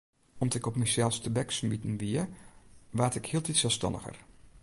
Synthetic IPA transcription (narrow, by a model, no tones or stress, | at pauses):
ɔmdɔɪkɔpmɛjsɛlˠfstəbɛksmitən̩ʋiə | ʋaːtɪkhiəlˠtitsɛlˠstɑ̰nə̰xə̰r